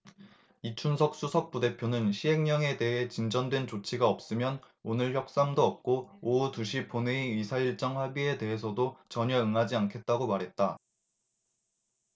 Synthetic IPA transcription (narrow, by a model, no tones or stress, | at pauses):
it͡ɕʰunsʰʌk̚s͈usʰʌk̚p͈ude̞pʰjonɯnɕʰiɦe̞ŋɲʌŋe̞de̞ɦe̞t͡ɕind͡ʑʌndwe̞nt͡ɕot͡ɕʰiɡaʌp̚s͈ɯmjʌn | onɯɭçjʌk̚s͈amdoʌp̚k͈ooutuɕʰip͈ʰoneimisʰaiɭt͡ɕ͈ʌŋɸwabie̞de̞ɦe̞sʰʌdot͡ɕʌɲʌɯŋɦad͡ʑiankʰe̞t̚t͈aɡomaɾɦe̞t̚t͈a